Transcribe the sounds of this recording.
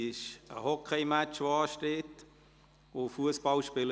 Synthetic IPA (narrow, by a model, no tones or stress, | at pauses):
ɪʃəhɔkʰeɪmæt͡ʃʋoɑːʃteːt | ofuəspɑlʃpɪlə